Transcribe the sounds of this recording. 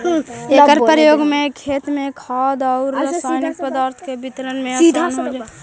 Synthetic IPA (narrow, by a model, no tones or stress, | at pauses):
eːkəɾpɾəjoːɡmẽkʰeːt̪mẽkʰaːd̪ɔːɾasnɪkpəd̪aːɾt̪ʰkebɪt̪ɾənmẽɐnɦod͡ʒa